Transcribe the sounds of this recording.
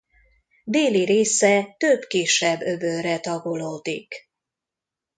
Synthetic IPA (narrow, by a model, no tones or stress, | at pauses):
d̪eːliɾeːsɛt̪øbkiʃɛbːøbøːɾɛt̪ɒɡoloːd̪ik